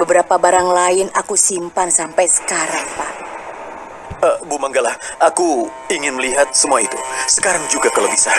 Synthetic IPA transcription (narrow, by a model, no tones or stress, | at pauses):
bəbəɾapabaɾaŋlaɪnakusimpansampajsə̥kaɾaŋpa | əbumaŋɡalahaku | iŋɪnməliɦat̪̚səmuait̪usə̥kaɾaŋd͡ʒuɡakalowbisa